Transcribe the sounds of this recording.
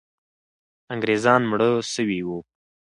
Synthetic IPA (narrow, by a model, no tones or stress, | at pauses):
aŋɡɾezɑnmɽəsəwiwu